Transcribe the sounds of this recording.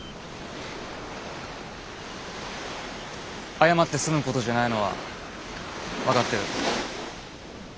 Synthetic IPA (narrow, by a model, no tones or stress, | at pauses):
ajamat̪ːe̞sɨmɯ̟ko̞t̪o̞ʑanaino̞βa̰ | βakat̪ːeɾɯ̟̰